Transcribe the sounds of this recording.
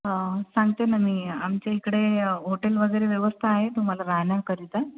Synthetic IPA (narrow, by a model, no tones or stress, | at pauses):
sãŋɡt̪enamiːamt͡ɕaikɽeɦoʈelʋəɡəjɾeʋjʋəst̪ʰaːɦet̪um̤alaɾaɦɳakəɾit̪a